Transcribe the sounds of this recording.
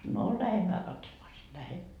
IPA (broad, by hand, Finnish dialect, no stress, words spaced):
no læhemːæː kɑtsomɑː si læhen